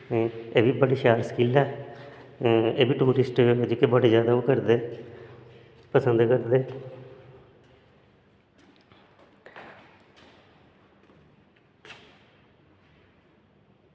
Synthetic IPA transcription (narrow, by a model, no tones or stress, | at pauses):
eːbiːbəɽiːʃaːɾsə̥kɪlɛː | eːbiːʈuːɾɪsʈd͡ʒoːkebəɽeːd͡ʒjaːd̪aːoːkəɾd̪eː | pəsənd̪kəɾd̪eː